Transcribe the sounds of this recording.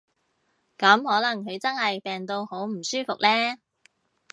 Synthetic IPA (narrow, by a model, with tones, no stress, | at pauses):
kɐ˨˥mhɔː˨˥lɐ˨˩ŋkʰɵ˨˧ɥt͡sɐ˥nhɐ˨jpɛː˨ŋt̪o˧who˨˥wm̩˨˩syː˥fʊ˨k̚lɛː˥